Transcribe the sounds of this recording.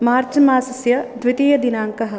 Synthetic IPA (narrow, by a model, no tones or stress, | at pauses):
maːɾt͡ʃɐmaːsɐsjɐd̪ʱʋit̪iːjɐd̪inaːŋkɐɦɐ̆